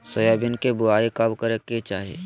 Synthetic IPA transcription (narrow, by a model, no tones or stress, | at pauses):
səjaːbɪnkebʊaːikabkəɾekːet͡ʃaːɦiḛː